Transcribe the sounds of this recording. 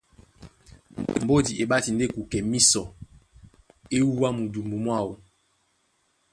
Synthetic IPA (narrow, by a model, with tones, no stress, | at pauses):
m̩˨bo˦di˨ʔe˨ɓa˦ti˨nde˦ku˨kɛ˨mi˦sɔ˨ | e˦wu˦wa˦mu˨du˨mbu˨mwa˦˨wu˨